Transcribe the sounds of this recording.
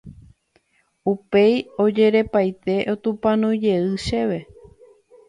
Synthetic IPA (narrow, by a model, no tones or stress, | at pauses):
upejo̞d͡ʒe̞ɾe̞pajt̪e̞ʔot̪ũpãnũd͡ʒe̞ɨʃe̞ʋe̞